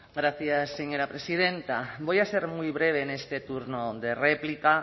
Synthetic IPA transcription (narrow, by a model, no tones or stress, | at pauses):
ɡɾaθjasːeɲoɾapɾesið̞ent̪abojaseɾmujβɾeβ̞enest̪et̪uɾnoðereplika